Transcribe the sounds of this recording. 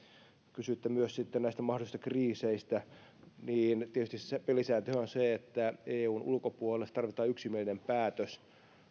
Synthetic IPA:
kysyit̪ːemyøssit̪ːennæist̪æmɑhdolisist̪ɑ̥kriːseist̪æ | niːnt̪iet̪yst̪issepelisæːt̪yonseet̪ːæeːuːnṵlkopuolest̪t̪ɑrʋit̪ɑːyksimielinempæːt̪øs

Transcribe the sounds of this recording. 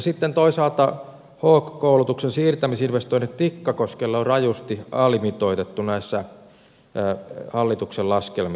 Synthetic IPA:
sit̪ːent̪oisɑlt̪ɑ | hoːkkoulut̪uksensiːrt̪æmisinʋest̪oinet̪t̪ikːɑkoskelːɑorɑjust̪iɑlimit̪oit̪et̪ːunæisːæ | hɑlːit̪uksellɑskelmi

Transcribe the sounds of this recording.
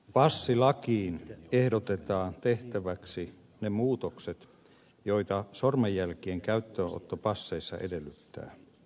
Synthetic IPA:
pɑsːilɑkiːnehdot̪et̪ɑːnt̪eht̪æʋæksi | nemuːt̪okset̪ | joit̪ɑsormejːælkieŋkæyt̪ːøo̰t̪ːopɑsːeisːɑ̰ʔḛdelːyt̪ːæ̰ː

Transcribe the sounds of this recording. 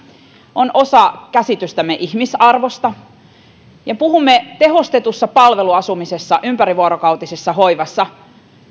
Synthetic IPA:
onʔo̞sɑkæsit̪yst̪æmːeʔihmisɑrʋo̞st̪ɑ | jɑpuhumːet̪e̞ɦo̞st̪et̪usːɑpɑlʋe̞luɑsumisesːɑʔympæɾiʋuoɾokɑwt̪isesːɑho̞iʋɑsːɑ

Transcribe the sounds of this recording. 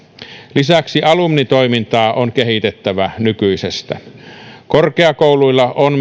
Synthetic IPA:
lisæksiʔɑlumnit̪o̞imint̪ɑːʔonkeɦit̪et̪ːæʋænykyisest̪æ̰korkeɑkouluilːɑʔon

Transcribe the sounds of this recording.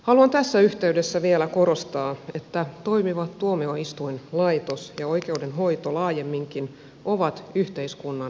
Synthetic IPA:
hɑluɑnt̪æsːæyht̪e̞ydesːæʋielækoɾost̪ɑːet̪ːæt̪oimiʋɑt̪t̪uomeoist̪uinlɑit̪osjɑoikeudenɦo̞it̪olɑːjemːiŋkin | ʔoʋɑt̪yht̪e̞iskunːɑn

